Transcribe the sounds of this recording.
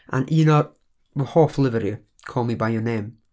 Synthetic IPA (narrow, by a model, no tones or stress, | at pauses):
ʔã̰nʔinɔ | əhɔflˠɪvəɾi | kʰɔːlˠmibajjənẽːm